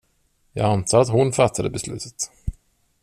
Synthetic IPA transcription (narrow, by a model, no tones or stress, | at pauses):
jɑ̰ːɡant̪ʰɑːɾat̪ɦʊnfat̪ʰːad̪əbɛslʉ̟ːt̪ʰə̥t̪